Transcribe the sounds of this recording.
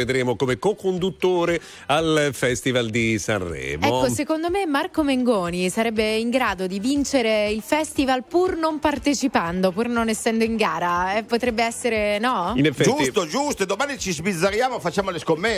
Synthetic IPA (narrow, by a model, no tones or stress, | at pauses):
ed̪ɾeːmokomekokond̪ut̪ːoːɾe | alfɛst̪ivald̪isa̰nrːɛ̰ːmɛokːosekond̪omemarkomeŋɡɔːnisaɾɛbːeiŋɡɾaːd̪od̪ivint͡ʃeɾeilfɛst̪ivalpurnompart̪et͡ʃipand̪opurnonesːɛnd̪oiŋɡaːɾaɛpːot̪ɾɛbːeɛsːeɾenɔinefːɛd͡ʒust̪od͡ʒust̪d̪omaːnit͡ʃizbid̪zːaɾjaːmofat͡ʃːamoleskomːɛ